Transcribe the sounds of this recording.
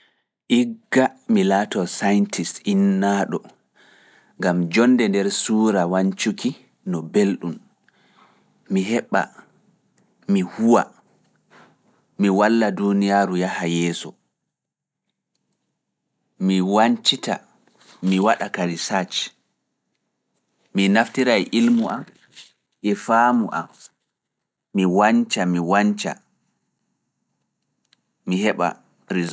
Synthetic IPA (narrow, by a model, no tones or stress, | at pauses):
ʔiɡːamilaːtɔsajntʰisinːaːɗɔ | ŋɡamd͡ʒɔndɛndɛɾsuːɾawaɲt͡ʃukʰi | nɔbelɗum | miɦɛɓːa̰ | mihuwa̰ | miwalːadunijaːɾujahajɛːsɔ | miwaɲt͡ʃita̰ | miwaɗakalisat͡ʃ | minaftiɾajʔilmuʔam | ʔɛfaːmuʔa̰m | iwaɲt͡ʃamiwaɲt͡ʃa̰ | mihɛɓa̰ | ɾiz